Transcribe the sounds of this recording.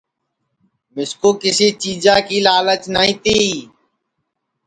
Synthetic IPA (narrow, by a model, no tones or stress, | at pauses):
mɪskoːkɪsiːt͡ʃiːd͡ʒãːkiːlaːlət͡ʃnaːĩːt̪iː